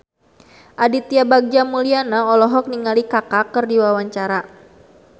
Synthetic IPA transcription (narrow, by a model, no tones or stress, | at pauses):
ʔadit̪iabaɡ̚d͡ʒamulianaɔlɔɦɔk̚niŋalikakakɨrdiwawaɲt͡ʃaɾa